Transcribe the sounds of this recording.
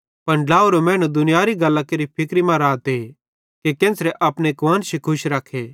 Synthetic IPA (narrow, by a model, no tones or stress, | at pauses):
pɐnlaːuɾomɛ̃ːɽ̃ũd̪ʊnɪjaːɾiɡɐlːakeɾipʰɪkɾimãɾaːt̪e | kekẽːnsɾɛʔɐpnekʋãːnsikʰʊʃɾɐkʰːeː